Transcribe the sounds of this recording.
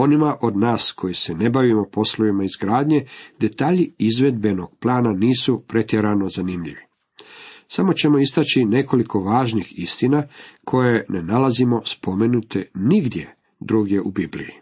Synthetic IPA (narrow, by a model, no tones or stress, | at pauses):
o̞nimaʔod̪naːskʰo̞jisene̞baʋimo̞po̞sloʋimaizɡɾaːd̪ɲe̞d̪e̞t̪aːʎiizʋe̞d̪̚be̞no̞ɡ̥plˠaːnaniːsupɾe̞t̪jeɾano̞zanimʎiʋi | samo̞t͡ɕe̞mo̞ist̪at͡ɕine̞ko̞liko̞ʋaːʒnixist̪inakʰo̞je̞ne̞nalazimo̞spʰo̞me̞nut̪ʰeniɡd̪je̞ | d̪ɾuːɡje̞ʔubiblḭji